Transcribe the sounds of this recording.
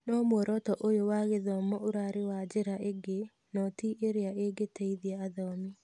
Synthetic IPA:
nɔmwoɾɔtɔʔojowaɣeðɔmɔoɾaɾewad͡ʒeɾaeɡe | nɔtiʔeɾeaʔeɡetʰɛiðiaːðɔmi

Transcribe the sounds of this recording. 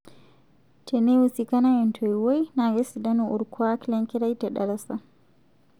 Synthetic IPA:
tʰɛnɛwusikanawɛntʰɔjwojnaɡɛsidanuʔuɾkʰwaklɛŋkɛɾajtɛɗa̰lasa

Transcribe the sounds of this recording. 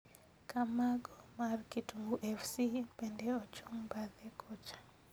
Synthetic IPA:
kamaɡomarkituŋɡuʔɛfsipɛndɛɔt͡ʃuŋbaðɛkʰot͡ʃḁ

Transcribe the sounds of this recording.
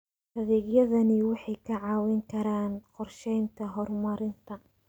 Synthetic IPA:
hɐðɛːɡjɐðɐnɪwɑħɑjkʰɐʕɑːwɛŋkʰɐɾaːnqɔrʃɛjnt̪ʰɐɦɔrmɐɾɪnt̪ʰɐ

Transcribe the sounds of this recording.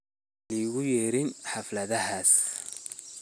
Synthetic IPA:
liɣʊjɛɾɪnħaflɐðɐɦaːs

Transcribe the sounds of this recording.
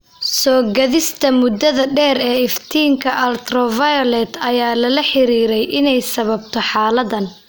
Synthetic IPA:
sɔːɡɐðɪst̪ʰɐmʊd̪ɐðɐɖɛːɾɛːɪft̪ʰiːŋkʰɐʔɐlt̪rɔvɐjɔlɛːt̪ɐjaːlɐlɐħɪɾiːɾɛjʔɪnɛjsɐβɐbt̪ʰɔħaːlɐðɐn

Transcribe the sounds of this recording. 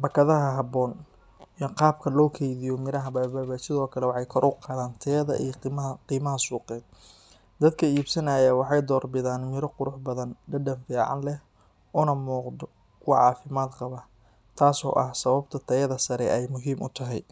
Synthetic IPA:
bɐkʰɐðɐɦɐɦɑbɔːn | ijɔqɑːb̚kʰɐlɔːkʰɛjðɪjɔmɪɾɐɦɐbɐbaːβaːsɪðɔːkʰɐlɛwɑħɑjkʰɔɾʔʊqɑːðaːnt̪ʰɛðɐ̰ʔḭjqiːmɐɦɐsuːqɛːd̪̚ | d̪ɐd̪̚kʰɐiːbsɐnajɐwɑħɑjd̪ɔːrbɪðaːnmɪɾɔqʊɾʊħbɐðɐnɖɐɖɐnfiːʕɑ̰nlɛh | ʔʊnɐmuːqd̪ɔ | wɑʕɑːfɪmaːd̪qɑβɐ | t̪ʰaːsɔ̰ːʔɐhsɐβɐbt̪ʰɐt̪ʰɐjɐðɐsɐɾɛ̰ʔɛjmʊɦiːmʔʊ̰t̪ʰɐɦɛ̰j

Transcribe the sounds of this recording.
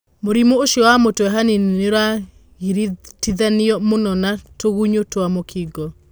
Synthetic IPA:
moɾimooʃjɔwamotowɛɦanineɾa | ɣiɾtiðaniɔmonɔnatoɣuɲotoamokʰiɡɔ

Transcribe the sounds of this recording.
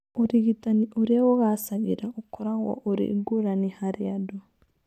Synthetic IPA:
ɔɾiɡitaniɔɾɛwɔɣasad͡ʒḭɾaɔkɔɾawa̰ʔɔɾḭɡoɾanihaɾijadɔ

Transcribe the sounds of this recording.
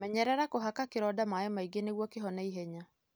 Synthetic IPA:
mɛɲɛɾɛɾakoɦakakɪɾɔdamajɛmaiɡeneɣwɔkɪɦɔnɛiɦɛɲa

